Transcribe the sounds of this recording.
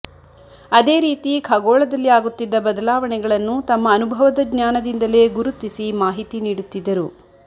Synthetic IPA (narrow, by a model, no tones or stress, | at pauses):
ɐd̪e̞ːɾiːt̪ikʰɐɡɔːɭɐd̪ɐlːiaːɡut̪ːid̪ːɐbɐd̪ɐlaːʋɐɳɛɡɐɭɐnːut̪ɐmːɐːnubʱɐʋɐd̪ɐɡɲjaːnɐd̪ind̪ɐle̞ːɡuɾut̪ːisimaːɦit̪iniːɽut̪ːid̪ːɐɾu